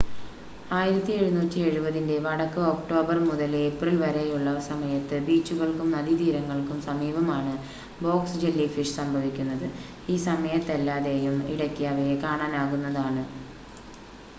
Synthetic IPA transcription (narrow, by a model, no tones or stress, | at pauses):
aːjiɾɐt̪ːie̞ɻunuːtːie̞ɻubɐðinde̞ʋɐɽɐkːɨo̞kʈo̞ːbɐrmuðɐleprilʋɐɾejuɭːɐsɐmɐjɐt̪ːɨbiːt͡ɕːuɣɐɭkumnɐðid̪iːɾɐŋːɐɭkumsɐmiːbɐmaːɳɨ | bo̞ːksd͡ʑe̞lːifiʂsɐmbʱɐʋikʲːunːɐðɨ | iːsɐmɐjɐt̪ːelːaːðeːjumḭɽɐkʲːiɐʋɐjekaːɳaːnaːɣunːɐðaːɳɨ